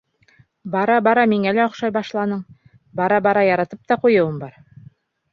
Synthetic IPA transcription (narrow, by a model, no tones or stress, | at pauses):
bɑɾɑbɑɾɑmiŋælæŏχʃɑjbɑʃlˠɑnɤɴ | bɑɾɑbɑɾɑjɑɾɑt̪ɤp̚t̪ɑqujɤ̆wɤmbɑɾ